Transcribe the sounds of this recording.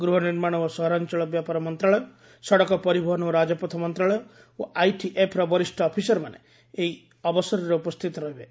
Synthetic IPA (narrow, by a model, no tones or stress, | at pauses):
ɡɾuɦɔniɾmaɽ̃ɔɔsɔɦɔɾant͡ʃɔɭɔk̚bjapaɾɔmɔnt̪ɾaɭɔjɔ | sɔɽɔkɔpɔɾibʱɔɦɔnɔɔɾad͡ʒɔpɔt̪ʰɔmɔnt̪ɾaɭɔjɔ | oʔajʈiʔepʰɾɔbɔɾisʈʰɔːpʰisɔɾɔmane | eɦi | ɔbɔsɔɾɔɾeupɔst̪ʰit̪ɔɾɔɦibe